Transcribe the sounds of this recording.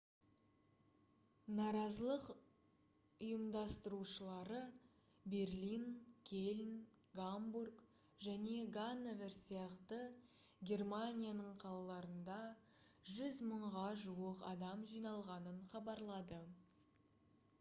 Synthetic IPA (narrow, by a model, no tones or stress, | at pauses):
nɑɾɑzəlˠəq | ʊjəmd̪ɑst̪əɾuʃəlˠɑɾə | be̞rlinkʲʰe̞lʲn | ɡamburk | ʒæne̞ɡanːeve̞ɾsijɑqt̪ə | ɡʲe̞rmanʲijanəɴqʰɑlˠɑlˠɑɾənd̪ɑ | ʒʏzməɴʁɑʒuwəqɑ̰d̪ɑmʒijnɑlˠʁɑnəɴχɑbɑɾlˠɑd̪ə